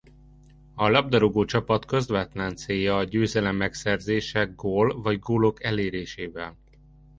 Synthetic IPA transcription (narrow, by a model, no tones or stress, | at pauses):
ɒlɒb̚d̪ɒɾoɡoːt͡ʃɒpɒt̪kø̞zʋɛt̪lɛnt̪seːjɒːɟøːzɛlɛmːɛksɛrzeːʃɛɡɡoːlvɒɟɡoːlo̞kɛleːɾeːʃeːvɛl